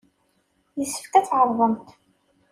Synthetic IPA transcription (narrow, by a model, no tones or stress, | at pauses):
jəsːə̥fkæθʕəɾˤðˤəmt̪